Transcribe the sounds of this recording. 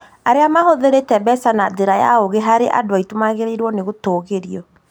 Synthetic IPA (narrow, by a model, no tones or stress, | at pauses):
aɾeamahoðeɾetɛbɛsanaðeɾaja̰oɣeɦaɾeʔa̰doaitomaɣeɾeiɾwɔneɣotoːɣeɾiɔ